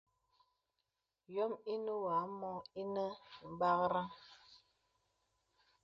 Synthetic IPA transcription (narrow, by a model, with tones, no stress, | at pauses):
jɔ˦mi˦nə˦wa˨˦mɔ˦i˦nə˦m̩˨ba˦ɣɾa˦ŋ